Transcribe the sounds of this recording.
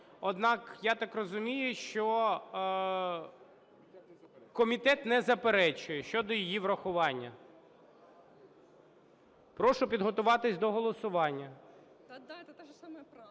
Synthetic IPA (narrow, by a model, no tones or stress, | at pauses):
ɔd̪nɑkjat̪ɑkrɔzʊmʲijʊʃt͡ʃɔ | kɔmʲit̪ɛt̪nɛzɐpeɾɛt͡ʃʊjɛʃt͡ʃɔd̪ɔjijiʋɾɐxʊʋɑnʲːɐ | pɾɔʃʊpʲid̪ɦɔt̪ʊʋɑt̪ɪsʲd̪ɔɦɔlˠɔsʊʋɑnʲːɐ